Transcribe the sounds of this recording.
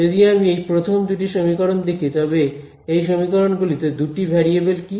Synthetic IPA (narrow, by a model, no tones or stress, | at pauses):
ed̪iamiejpɾot̪ʰomd̪uʈ̬iʃomikɔɾond̪ekʰit̪ɔβe | ejʃomikɔɾonɡulit̪ed̪uʈibʱɛɾiebelki